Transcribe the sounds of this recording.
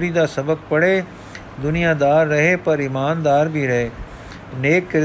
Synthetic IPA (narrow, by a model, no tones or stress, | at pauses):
ɾid̪aːsɐbək̚pɐɽe | d̪ʊnijad̪aːɾːɐɦepɐɾɪmaːnd̪aːɾbʱiɾɐɦeː | neːkːɪɾ